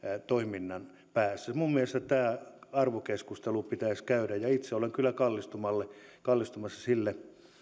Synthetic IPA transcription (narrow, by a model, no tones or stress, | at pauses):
t̪oiminːɑn | pæːsːæmummielest̪æt̪æːɑrʋokeskust̪elupit̪æisʲkæyɾæjjɑit̪seoleŋkylːˑækɑlːist̪umɑlːekɑlːist̪umɑsːɑsilːe